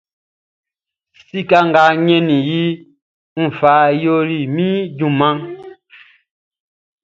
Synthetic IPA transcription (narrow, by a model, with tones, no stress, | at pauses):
si˦˨ka˦ŋ˨ɡa˨˦ɲɛ˦ni˨ji˦ | m̩˨fa˨˦jo˦li˨mi˦d͡ʒu˦˨ma˦ŋ